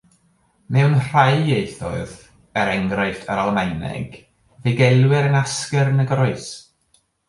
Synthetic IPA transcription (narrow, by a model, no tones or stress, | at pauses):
mɛwnr̥ajeɨθɔ̰ɨð | ɛɾɛŋɡɾaɨɬtʰəɾalˠəmajnɛ̰ɡ̥ | vɪɡɛlˠwɪɾənaskɛrnəɡrɔɨs